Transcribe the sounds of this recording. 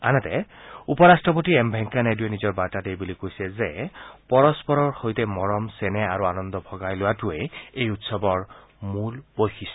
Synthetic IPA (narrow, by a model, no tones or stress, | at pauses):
a̰nɛtɛupɔɹastɹɔp̬otiɛmbʱɛŋkanajduenizɔɹbaɹtatejbulikojsɛzɛpɔɹɔspɔɹɔɹxojtɛmɔɹɔmsɛnɛaɹuanɔndɔbʱɔɡajlʊwatʊɛejutsɔbɔɹ | mulpojxis